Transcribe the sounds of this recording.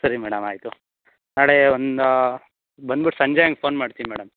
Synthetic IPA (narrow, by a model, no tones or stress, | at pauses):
sɐɾimɛːɽɐmaːjt̪u | naːɭeond̪ | bɐnd̪̚biʈsɐɲd͡ʒejaŋɡepʰoːnmaːɽt̪iimɛːɽɐm